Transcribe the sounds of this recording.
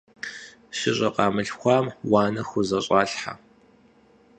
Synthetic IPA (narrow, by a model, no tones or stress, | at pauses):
ɕɪɕʼɐqʼɑːmɨɬxʷɑːmwɑːnɐxʊzɐɕʼaːɬħa̰